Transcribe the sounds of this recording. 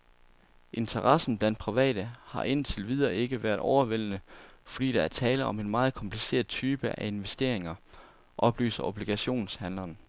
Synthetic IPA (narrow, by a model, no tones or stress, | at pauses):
ʔe̝nt͡sʰɐʁɑ̈sn̩b̥læn̰d̥̚pʰʁiʋɛ̰ːd̥əhɑ̈ʔe̝n̰t͡sʰe̝lʋið̞ˠɐe̝ɡ̥əʋæːɐðˠɒʊɐʋel̰ənəfɒ̽d̥ḭːd̥ɑ̈æɐt͡sʰɛːləɒ̽me̝nmɑ̈ːð̩ˠkʰɒ̽mpʰlise̝̰ːɐ̰ðˠt͡sʰyːb̥əʔæe̝nʋesd̥e̝ɐ̰e̝ŋɐ | ʔɒ̽b̥ly̰ːsɐʔo̝b̥liɡ̥æɕo̝̰ːnshænlɐn